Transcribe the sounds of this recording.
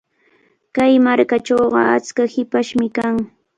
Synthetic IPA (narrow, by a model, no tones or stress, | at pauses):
kajmaɾkaʈ͡ʂowɢɑ̰at͡skahɪpaʃmɪkaŋ